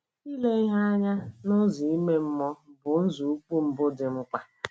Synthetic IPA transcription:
i˦le˦i˦ɦa˦a˦ɲa˦nʊ˦zi˨i˦me˦m̩˦mɔ˦bʊ˨n̩˦zu˨u˦k͡pu˦m̩˦bʊ˦dɪ˨m̩˦k͡pa˦

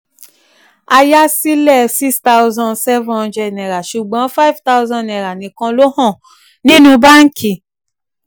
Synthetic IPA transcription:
a˧ja˦si˦lɛ˦˨si˦sta˦u˧zɔ̃˧˨sɛ˦vɔ̃˧d͡ʒɛ˧nɛ˨ɾa˨ʃu˨ɡ͡bɔ̃˨˦fa˦i˨vta˦wzɔ̃˧nɛ̃˨ɾa˨nĩ˨kã˧lo˦hɔ̃˦˨ | nĩ˦nũ˧ba˦ŋ̩˦kʰi˨

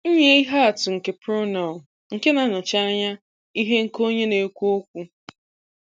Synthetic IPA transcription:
ɲe˦i˦ɦa˦a˨tʊ˨ŋ̩˨ke˨pɾo˦na˨l | ŋ̩˨ke˦na˨nʊ˨t͡ʃa˦a˦ɲa˦ | i˦ɦe˦ŋ̩˨ko˦ɲe˦ne˨˦kʷu˦o˦kʷu˦

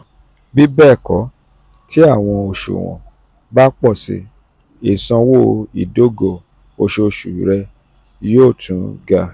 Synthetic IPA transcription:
bi˦bɛː˦˨kɔ˨˦ | ti˦a˦˨w̃ɔ̃˧o˨ʃṵ˨w̃ɔ̰̃˨ | ba˦k͡pɔ˦˨sḭ˧˨ | e˨sɔ̃˧wo˦˨˧ḭ˨do˦ɡo˦˨ | o˧ʃo˧ʃṵ˨ɾɛ˧ | joː˦˨tʰũ˨˦ɡa˧

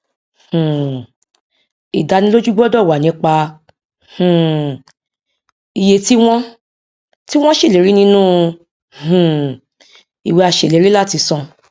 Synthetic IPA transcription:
hũ˨ | i˨da˧nĩ˧lo˦d͡ʒu˦ɡ͡bɔ˦dɔ˦˨wa˨nĩ˨˧˦k͡pa˧ | hũ˨ | i˨je˧ti˦w̃ɔ̃˦ | ti˦w̃ɔ̃˦ʃe˦˨le˨˦ɾi˦nĩ˦nũ˦ | hũ˨ | i˨we˧a˧ʃe˨le˨˦ɾi˦la˦˨ti˧sɔ̃˧

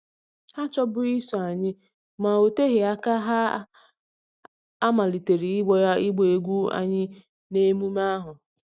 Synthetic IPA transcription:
ha˦t͡ʃɔ˦bʊ˦ɾi˦sɔ˨a˨ɲɪ˦ | ma˨o˨te˦ɦe˨a˦ka˦ɦa˦ | a˦ma˨li˨te˨ɾi˨ɪ˦ɡ͡bɔ˨ja˦i˦ɡ͡be˨e˨ɡʷu˦a̰˨ɲɪ˦ | ne˦mu˦ma˦ɦʊ˨

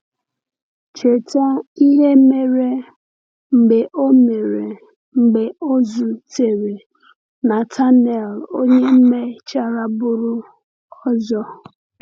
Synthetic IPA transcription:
t͡ʃe˨tɔ˦i˦ɦe˦me˨ɾe˦ | ŋ͡m̩˨ɡ͡be˨ʔo˦me˨ɾe˨ | ŋ͡m̩˨ɡ͡be˨o˦zʊ˨te˨ɾe˨ | na˨tʰa˦nɛ˨lo˦ɲe˦m̩˦me˦t͡ʃa˦ɾa˦bʊ˦ɾʊ˦ | ɔ˦zɔ˦

